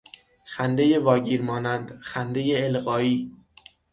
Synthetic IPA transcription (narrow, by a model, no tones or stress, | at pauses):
xænd̪e̞jevɒːɟiːɾmɒːnænd̪xænd̪ejeːlɣɒːiː